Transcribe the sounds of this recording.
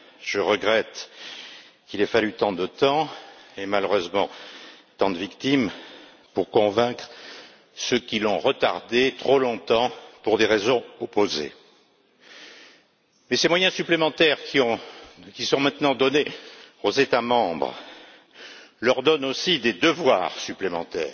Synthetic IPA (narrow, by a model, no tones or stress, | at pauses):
ʒ̥əʁəɡʁɛt̪ | kilɛfalyt̪ɑ̃d̪ət̪ɑ̃emaløʁøzmɑ̰̃t̪ɑ̃d̪əvikt̪im | puʁkɔ̃vɛ̃kχ | səkʲilɔ̃ʁət̪aʁd̪et̪χolɔ̃t̪ɑ̃puʁd̪eʁezɔ̃ɔpozḛ | mɛsemwajɛ̃syplemɑ̃t̪ɛʁkiɔ̃kʲisɔ̃mɛ̃t̪nɑ̃d̪ɔne | ozet̪amɑ̃bʁə | lœʁd̪ɔnosid̪ed̪əvwa̰ːʁsyplemɑ̃t̪ɛ̰ːʁ